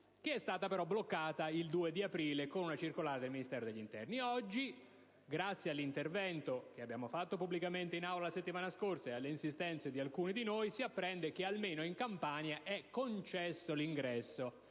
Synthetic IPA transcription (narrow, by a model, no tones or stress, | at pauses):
keɛst̪aːt̪apeɾɔblokːaːt̪aild̪uːed̪iapɾiːlekonunat͡ʃirkolaːɾed̪elminist̪ɛːɾod̪eʎːint̪ɛ̰rniɔd͡ʒːi | ɡɾat̪sːjalːint̪ervɛnt̪ok̟eabːjaːmofat̪ːopubːlikament̪einawlalaset̪ːimaːnaskorsaealːeinsist̪ɛnt̪sed̪ialkuːnid̪inojsiapːɾɛnd̪ekealmeːnoiŋkampaːnjaʔɛkːont͡ʃɛsːoliŋɡɾɛsːo